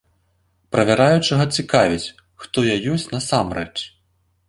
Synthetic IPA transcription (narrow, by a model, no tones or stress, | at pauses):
pɾɐvʲaɾajut͡ʂɨɣɐt͡sʲikavʲit͡sʲ | xt̪ɔjajɔsʲt͡sʲnɐsamrɛt͡ʂ